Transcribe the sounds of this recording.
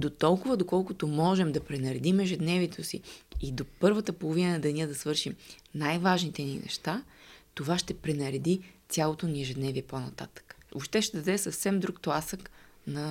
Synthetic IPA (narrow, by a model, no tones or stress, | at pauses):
d̪ot̪ɔlˠkʊvəd̪okɔlˠkʊt̪omɔʒɛmd̪ɐpɾɛnɐɾɛd̪imɛʒɛd̪nɛviɛt̪ʰosḭːd̪opɤɾvət̪əpolˠovinəɐd̪ɐniəd̪ɐsvɤɾʃimnajvaʒnit̪ɛnḭnɛ̰ʃt̪at̪ovaʃt̪ɛpɾɛnɐɾɛd̪isʲjalˠot̪oniɛʒɛd̪nɛviɛponɐt̪a̰t̪ə̥kə̥o̰pʃt̪ɛʃt̪ɛd̪ɐd̪ɛsəfsɛmd̪ɾukt̪lˠasəknɐ